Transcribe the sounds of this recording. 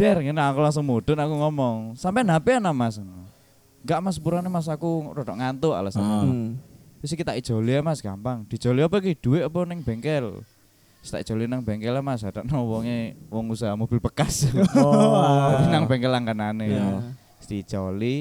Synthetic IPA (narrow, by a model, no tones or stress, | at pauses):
d̥ɛrŋenakulaŋsɔŋmod̥ɔ̤nakuŋɔmɔŋsampɛnapeanamasnɔ | ŋɡaʔmaspuɾanemas̬akurɔdɔʔŋant̪ua̰lasana | tusikit̪aʔid̥d͡ʒ̥o̤liamasɡ̥ampaŋd̥i̤̥d͡ʒ̥o̤liapɛk̬id̥uweʔap̬ɔnɪŋb̥eŋkɛl | st̪aʔi̥d͡ʒ̥o̤linaŋbeŋkɛlamas̬ɦad̥̪aʔnɔwɔŋewɔŋusaɦmob̥ɪlpəkas | naŋbeŋkɛlaŋkanane | st̪i̥t͡ʃɔli